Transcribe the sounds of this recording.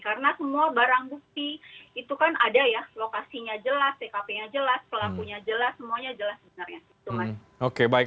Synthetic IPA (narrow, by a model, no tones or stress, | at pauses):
kaɾənasəmuabaɾaŋbuk̚t̪iit̪ukanʔadajalokasiɲad͡ʒəlast̪ekapejad͡ʒəlaspəlakuɲad͡ʒəlasːəmuaɲad͡ʒəlasbənərɲait̪umas | okebaɪk